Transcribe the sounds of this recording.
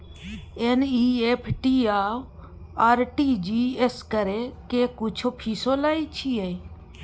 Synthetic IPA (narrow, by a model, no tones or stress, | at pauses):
eniːeːpʰʈiːaː | aːɾʈiːd͡ʒiːeskəɾeːkeːkʊt͡ʃʰoːpʰiːsoːlaːiːt͡ʃʰiːei